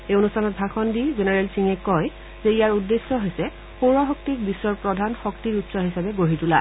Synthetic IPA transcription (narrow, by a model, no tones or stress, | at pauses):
eonustʰanɔt̚bʱaxʰɔndizenɛɹɛlsiŋɛkɔj | zɛijaɹudːesːɔɦojsɛ | xoɹɔxɔktik̚bisːɔɹpɹɔdʱanxɔktiɹutsɔɦisabɛɡoɦitula̰